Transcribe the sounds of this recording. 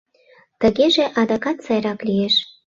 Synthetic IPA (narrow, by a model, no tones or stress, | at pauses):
t̪əɣeʒeʔɑd̪ɑkɑt̪t͡sɑjɾɑklijeʃ